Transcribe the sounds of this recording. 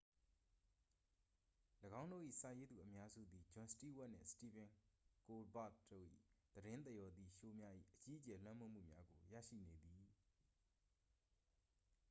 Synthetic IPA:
ləɡã˦ʊ̃ndo̰˦˨ʔḭ˦˨sa˨je˦d̪u˨ʔəmja˦zṵ˦˨d̪i˨d͡ʑʊ̃˨nsti˦˨wa˦ʔn̥ɪ̰̃˦˨sə̥ti˨bɪ̃˨ŋko˨ba̰˦˨t̪do̰˦˨ʔḭ˦˨d̪̥əɾɪ̃˦nt̪ɛ˦˨jɔ˨d̪ði˨ʃo˨mja˦ʔḭ˦˨ʔət͡ɕi˦ʔət͡ɕɛ˨l̥wã˦mõ˦m̥ṵ˦˨mja˦ɡo˨jä̰˦˨ʃḭ˦˨ne˨d̪i˨

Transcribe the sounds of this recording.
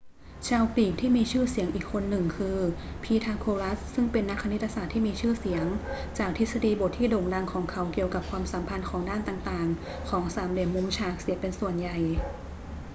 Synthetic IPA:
t͡ɕʰaː˧wkliː˨˩p̚t̪ʰiː˥˩miː˧t͡ɕʰɯː˥˩si˩˦ŋʔiː˨˩kʰːo˧nːɯ˨˩ŋkʰɯː˧pʰiː˧t̪ʰaː˧kʰoː˧la˦˥ssɯ˥˩ŋpe˧nːa˦˥kʰːa˧ni˦˥t̪̚ːa˧saː˨˩t̪ʰːiː˥˩miː˧t͡ɕʰɯː˥˩si˩˦əŋ | t͡ɕaː˨˩k̚t̪ʰi˦˥t̪̚sa˧diː˧˩bo˨˩t̪ʰiː˥˩doː˨˩ŋda˧ŋkʰɔː˩˦ŋkʰa˩˦wki˨˩əwka˨˩p̚kʰwaː˧msa˩˦mpʰa˧nkʰɔː˩˦ŋdaː˥˩˨nt̪aː˨˩ŋt̪aː˨˩ŋ | kʰɔː˩˦ŋsaː˩˦mle˨˧˦mːu˧˦mt͡ɕʰaː˧˩k̚si˨˩˦əpe˧nsu˨˩ənja˨˩j

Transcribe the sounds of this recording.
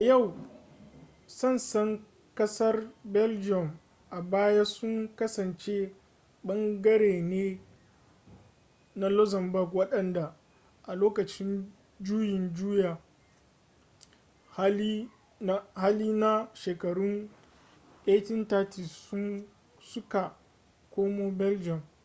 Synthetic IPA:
ʔa˨ja˦˨w | sɐ˦˨nsɐ˦ŋ | kɐ˦sɐ˦rbɛ˦ld͡ʒɪ˦ɔ˨m | ʔa˨baː˦ja˦sʊ˦ŋkɐ˦sɐ˨nt͡ʃe˦ | ɓɐ˦ŋɡɐ˦ɾeː˨neː˦ | na˦lɔ˦zɐ˨mbʊ˦˨kwɐ˦ɗɐ˨nda˨ | ʔa˨loː˦kɐ˨t͡ʃɪ˦n | d͡ʒuː˦jɪ˨nd͡ʒuː˦jaː˨˦ | i˦ | haː˦liː˦na˦ʃeː˨kɐ˨ɽʊ˦n | ʔe˦tɪ˦ntaː˦ti˨ssʊ˦n | sʊ˦ka˨ | kʷoː˦moː˦bɛ˦ld͡ʒɔ˨m

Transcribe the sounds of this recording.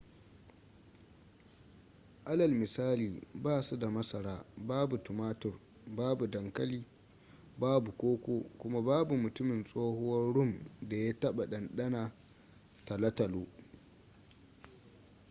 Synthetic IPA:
ʔa˦lɐ˨lmɪ˨saː˦liː˨baː˦su˦da˨mɐ˦sɐ˨ɾaː˦baː˦bu˨tʊ˨maː˦tʊ˨r | baː˦bu˨dɐ˨ŋkɐ˦liː˦ | baː˦bu˨kʷoː˦kʷoː˦kʷʊ˦ma˦baː˦bu˨mʊ˨tʊ˦mɪ˨nsʼoː˦hʊ˦wɐ˦ɽʊ˦˨mda˨ja˦tɐ˦ɓa˨ɗɐ˨nɗɐ˦na˨ | ta˨lɐ˦tɐ˨loː˦

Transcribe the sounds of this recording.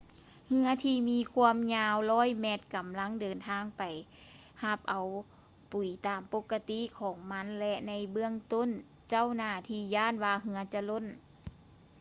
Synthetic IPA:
hɯ˧ɐt̪ʰiː˧miː˧˥˨kʰu˧əmɲaː˧wlɔː˧˥˩jmɛː˧t̪̚ka˨˩mla˧˥˨ŋdɤː˨˩nt̪ʰaː˧ŋpa˨j | ha˧˥p̚ʔa˨˩w | pu˨˩jt̪aː˨˩mpo˧˥kːa˧t̪i˧˥ʔkʰɔː˨˩˦ŋma˧˥nlɛ˧ʔna˧˥jbɯ˧əŋt̪o˧˥˨n | t͡ɕa˧˥˨wnaː˧˩t̪ʰiː˧˥jaː˧˥˨nwaː˧ɦɯ˧ɐt͡ɕa˧lo˧˥˨n

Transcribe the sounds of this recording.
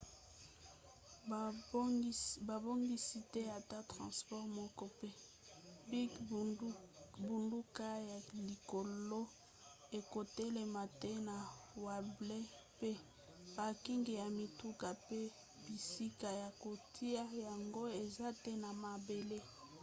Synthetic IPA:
ba˨bo˦ŋɡi˦si˦tɛ˦ja˨ta˦tʁɑ̰̃˨spɔ˦ʁmɔ˦kɔ˦pe˦ | bi˦ɡ | bu˨ndu˦ka˦ja˨li˨ko˨lo˦ | e˨ko˨tɛ˦le˨ma˨tɛ˦na˨wa˨ble˦pe˦ | b̥a˨ki˦ŋɡe˨ja˨mi˨tu˦ka˨pe˦ | b̥i˨si˦ka˨ja˨ko˨tʰi˦a˦ja˨ŋɡo˦e˨za˦tɛ˦na˨ma˨be˨le˦

